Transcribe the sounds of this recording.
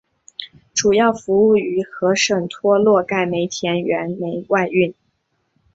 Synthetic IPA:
ʈ͡ʂu˨˩jɑ˥˩ʊfu˧˥u˥˩y˧˥xɤ˧˥ʂə˨˩ŋt̪ʰwɔ˥lwɔ˥˧ka˥˩ɪme˧˥ɪt̪ʰjɛ˧˥nɥɛ˧˥nme˧˥ɪwa˥˧ɪy˥˩n

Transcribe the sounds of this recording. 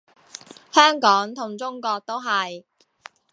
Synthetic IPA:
hœː˥ŋkɔː˨˥ŋt̪ʰʊ˨˩ŋt͡sʊ˥ŋkɔː˧k̚t̪o˥wɦɐ˨˩j

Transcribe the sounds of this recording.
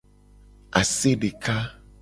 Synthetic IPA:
a˨se˦ɖe˨ka˦

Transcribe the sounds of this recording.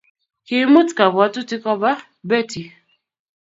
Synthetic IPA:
ki˨˦mu˦tka˨βwa˨˦tu˦ti˦kɔ˦ba˦ | bɛ˦˨ti˨

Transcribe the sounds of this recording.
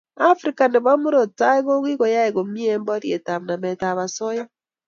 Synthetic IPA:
a˦fɾika˨ne˨βa˦mo˦ɾo˨ta˦e˦ɣo˦ɣi˦ɣo˨ja˦eɣo˨mi˦e˦mbɔ˦ɾje˨ta˨mna˨mɛ˨ta˨βa˨sɔ˦ja˦

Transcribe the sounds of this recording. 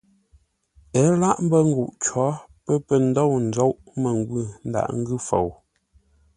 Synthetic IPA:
ə˨˦la˦˨ʔm̩˦bə˦ŋ̩˦ɡu˨ʔt͡ʃwɔ˨˦pə˦pə˨n̩˦do˦˨wn̩˨d͡zo˦wʔmə˨ŋɡwʉ˦˨n̩˨da̰˨ʔŋ̩˦ɡʉ˦˨fo̰˨w

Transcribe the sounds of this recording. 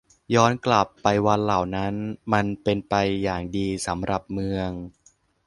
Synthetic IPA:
jɔː˦˥nkla˨˩pːa˧jwa˧nla˨˩wna˦˥nma˧npe˧npa˧jːaː˨˩ŋdiː˧sa˩˦mɾʔa˨˩p̚mɯ˧əŋ

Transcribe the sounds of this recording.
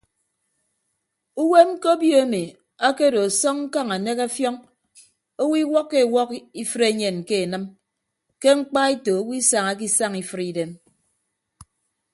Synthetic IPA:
u˦we˦ko˦bjo˦e˦me˨ | a˦ke˦do˨a˨sɔ˦ŋŋ̩˦ka˦ŋa˨ne˦ka˦fjɔ˦ŋ | o˦wi˦wɔ˦kːe˦˨wɔ˦ki˦fɨ˦ɾe˦ɲe˨nke˦e˨nɨ˦m | ke˦ŋ͡m̩˦k͡pa˦i˦to˨o˦wi˦sa˨ŋa˦k̬i˦sa˦ŋi˨fɨ˦ɾi˦de˦m

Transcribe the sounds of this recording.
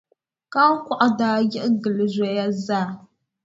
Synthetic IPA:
ka˦kʷa˦ʔa˦da˨ɡi˦ʔɡə˨lə˨zʷe˨˦ja˦za˦˨

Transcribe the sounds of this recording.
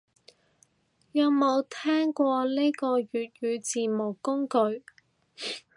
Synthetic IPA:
jɐ˨˧wmo˨˧wt̪ʰɛː˥ŋkʷɔː˧le˥kɔː˧jyː˨t̚ɥyː˨˧t͡siː˨mʊ˨˩kːʊ˥ŋkɵ˧ɥ

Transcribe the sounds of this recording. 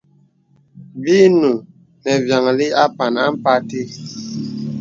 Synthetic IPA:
bi˦nu˨ | nɛ˨vja˨ŋ˨li˦a˦pa˨na˦m˦pa˦ti˦

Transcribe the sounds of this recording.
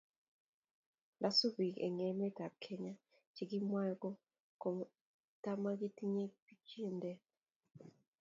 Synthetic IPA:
da˦su˦bi˨kḛ˨ŋɛ˨˦mɛ˦ta˨p̚kʰe˦ɲa˦ | t͡ʃi˨ɡi˦mwa˦jɡɔ˦ | ko˨m | ta˦ma˦ɡi˦ti˦ɲe˦pi˦t͡ʃe˦˨ndɛ˦

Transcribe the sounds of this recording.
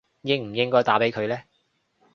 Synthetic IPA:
jɪ˥ŋm̩˨˩jɪ˥ŋkɔː˥jt̪aː˨˥pe˨˥jkʰɵ˨˧ɥlɛː˥

